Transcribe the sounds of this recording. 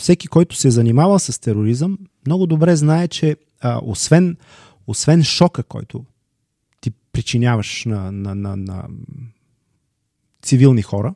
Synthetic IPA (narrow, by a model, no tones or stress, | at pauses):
fsɛkikɔjt̪ʊ̥sɛzɐnimavəsɐst̪ɛɾoɾizəmː | nɔɡʊd̪obɾɛznaɛt͡ʃɛ | o̰svɛn | osvɛnʃɔkəkɔ̰jt̪ʰʊ̰ | t̪ipɾit͡ʃinʲjavəʃnɐnɐnɐnɐ̰ | t̪sivilˠnixɔɾə